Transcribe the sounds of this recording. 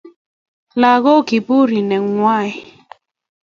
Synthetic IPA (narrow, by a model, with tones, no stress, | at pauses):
la˨ɣo˦ki˨bu˦ɾi˨nɛ˨ŋwa˦˨i˨